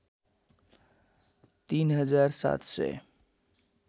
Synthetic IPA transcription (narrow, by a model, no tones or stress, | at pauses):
t̪iːnɦəd͡ʒaɾsa̰t̪ʰsɛ̰